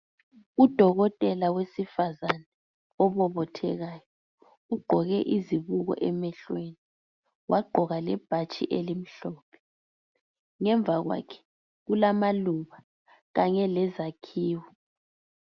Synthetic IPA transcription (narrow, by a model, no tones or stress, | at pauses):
ud̥ʱɔɣɔtʼɛlawesifazanɛ | ɔβɔβɔtʰɛ̰ɣaːjɔ | uɡ͡ǃʱɔɣɛʔiziβuɣɔ̰ʔɛmɛɬweni | wʔaɡ͡ǃʱɔɣalɛb̥ʱat͡ʃʼḭʔelim̩ɬɔːpʰɛ̥ | ŋɛɱb̪vʱaɣwa̰kʰɛ̥ | ɣulamaluβa | ɣaɲɛlɛzakʰiːwɔ